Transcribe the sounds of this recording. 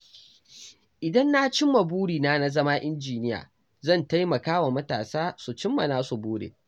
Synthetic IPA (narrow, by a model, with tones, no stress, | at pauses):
ʔɪ˨dɐ˦nːa˦t͡ʃɪ˦mːa˨buː˦ɽiː˨naː˦na˦zɐ˦maː˦ʔɪ˦nd͡ʒiː˨nɪ˦ja̰ː˨ | zɐ˦˨nta˦jmɐ˨kaː˦wa˨mɐ˦taː˨saː˦su˨t͡ʃɪ˦mːa˨naː˦su˨buː˦ɽḛː˨